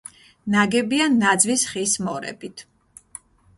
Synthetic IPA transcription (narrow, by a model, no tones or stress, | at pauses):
naɡɛbianːad̪zvisχismɔɾɛ̰bit̪ʰ